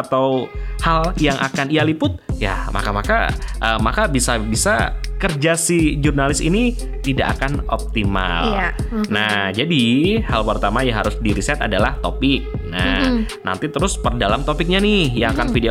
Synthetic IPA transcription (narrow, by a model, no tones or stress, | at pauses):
t̪awhaljaŋʔa̰kanijalipʊt̪̚ja̰ma̰kamaka̰ʔəmakabisabisa̰kərd͡ʒasid͡ʒurnalɪsḭni | t̪ida̰ʔa̰kano̰p̚t̪ima̰lnad͡ʒadihalpərt̪amajaŋɦaɾʊsdiɾisɛt̪a̰dalaht̪opɪk̚na | na̰nt̪it̪əɾʊspərdalamt̪opɪk̚ɲanɪhjaŋakanfide